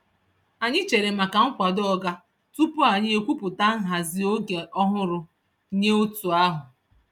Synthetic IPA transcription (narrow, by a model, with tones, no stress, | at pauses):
a˨ɲɪ˦t͡ʃe˨ɾe˨ma˨ka˨ŋ̩˦kʷa˨dɔ˦ɡa˦ | tu˦pʊ˦a˨ɲɪ˦e˨kʷu˦pʊ˨ta˦ŋ̩˦ɦa˨zɪ˨o˦ɡe˨ʔɔ˦ɦʊ˦ɾʊ˨˦ | ɲe˦o˦tu˨a˦ɦʊ˨